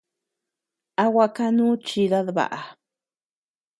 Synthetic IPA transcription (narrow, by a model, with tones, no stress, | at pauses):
a˦wʷa˧ka˦nu˦t͡ʃi˧ða˦ðba̰˨ʔa˨